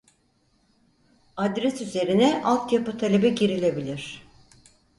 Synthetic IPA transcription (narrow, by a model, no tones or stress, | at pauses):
ad̪ɾɛsyze̞ɾinɛʔalˠt̪japɯt̪ʰalʲe̞bɛɟiɾilʲe̞bilʲiɾ̝̥